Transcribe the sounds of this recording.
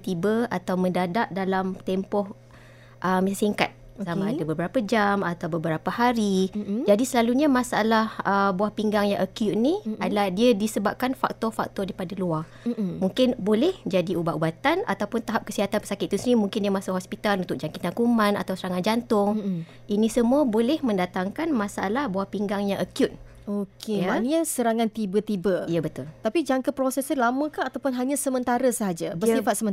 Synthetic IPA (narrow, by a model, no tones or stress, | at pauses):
t̪ibəa̰t̪awməndadaʔ̚dalamt̪ɛmpɔh | ʔəmisasiŋka̰t̪̚ | samãadəbəbəɾapad͡ʒamat̪awbəbəɾapahaɾid͡ʒadisəlaluɲamãsaa̰lahəbuahpiŋɡaŋjaʔəkjut̪̚niadalahdiədisəbap̚kanfa̰k̚t̪ɔfa̰k̚t̪ɔdaipadalua | muŋkɪnbolɛhd͡ʒadiubaʔubat̪ana̰t̪awpʊnt̪aɦap̚kəsiɦat̪anpə̥sakɪt̪̚ːusnimuŋkɪndiəmasʊʔhɔspit̪alunt̪ʊk̚d͡ʒaŋkit̪ankumãna̰t̪awsəɾaŋand͡ʒant̪ʊŋ | ʔinĩsəmuəbolɛhmə̃ndat̪aŋkanmasaalahbuahpiŋɡaŋɲãʔəkjut̪̚ | okʰejamanɲasəɾaŋant̪ibət̪ibəijəbət̪ʊlt̪apid͡ʒaŋkəpɾosɛsəlamə̃kanat̪awpʊnɦaɲãsəmə̃nt̪aɾəsəɦad͡ʒabərsifat̪səmə̃n